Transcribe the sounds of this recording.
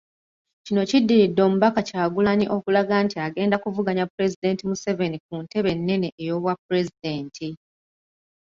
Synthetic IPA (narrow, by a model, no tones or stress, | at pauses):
cino̞cidːiɾidːo̞ːmuβakacaːɡulaɲiʔo̞kulaɡantiaɡe̞ːndakuvuɡaɲapːuɾe̞zide̞ːntimuse̞ve̞nik̚unte̞βe̞nːe̞neʔejo̞ːβwapːuɾe̞zide̞ːntʰi